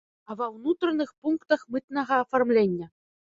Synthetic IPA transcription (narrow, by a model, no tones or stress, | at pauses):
ɐvɐwnut̪ɾɐnɨxpunkt̪ɐxmɨt̪nɐɣɐːfarmlʲenʲːɐ